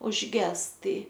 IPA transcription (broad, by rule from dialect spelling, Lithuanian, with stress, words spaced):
ʊʒʲˈɡʲɛs ˈtɐɪ